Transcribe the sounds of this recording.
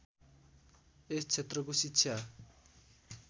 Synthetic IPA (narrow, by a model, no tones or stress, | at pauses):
est͡sʰet̪rʌkosit͡ɕʰja